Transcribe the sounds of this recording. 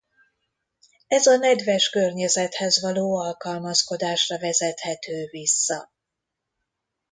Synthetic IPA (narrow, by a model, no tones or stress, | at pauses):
ɛzɒnɛd̪vɛʃkørɲɛzɛt̪hɛzvɒloːɒlkɒlmɒsko̞d̪aːʃrɒvɛzɛt̪hɛt̪øːvisːɒ